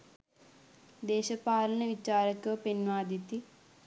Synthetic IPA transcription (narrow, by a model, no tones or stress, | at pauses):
d̪eːɕɐpaːlɐnɐʋit͡ʃaːɾɐkːɐpenʋaːd̪it̪ːi